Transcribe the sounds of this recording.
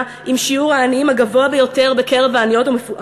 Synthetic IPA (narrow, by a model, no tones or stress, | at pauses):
ʔimʃiuʁaːniimhaɡavoabejo̞te̞ʁbeke̞ʁevaːnijo̞tomefuʔ